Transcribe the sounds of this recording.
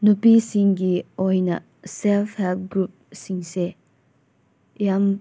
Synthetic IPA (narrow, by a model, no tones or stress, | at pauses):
nupisiŋɡiɔjna̰ | sɛlfhɛlt̚ɡɾup̚siŋse | jam